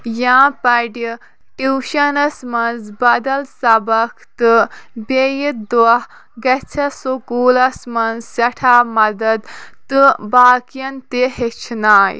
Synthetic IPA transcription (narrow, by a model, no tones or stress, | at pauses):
jãːpɐɖi | ʈiwʃɐnɐsmɐnzbɐd̪ɐlsɐbɐkʰt̪ɨbejid̪uɐh | ɡɐt͡sʰɐsukuːlɐsmɐnzsɐʈʰaːmɐd̪ɐd̪t̪ɨbaːkijɐnt̪eɦet͡ʃʰnaːj